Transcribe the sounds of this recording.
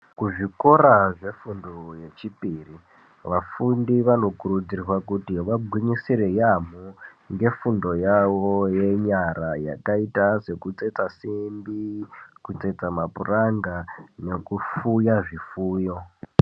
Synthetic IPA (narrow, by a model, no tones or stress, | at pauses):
kuʐikoraʐe̞fundoje̞t͡ʃipiri | ʋafundiʋano̞kuɾud͡zirirwakutiʋaɡʱwiɲisiɾe̞jamu | ŋɡe̞fundo̞jawoje̞ɲaɾaja̰kaitase̞kut͡se̞t͡sasimbikut͡se̞t͡samapuraŋɡane̞kufujaʐifuːjo̞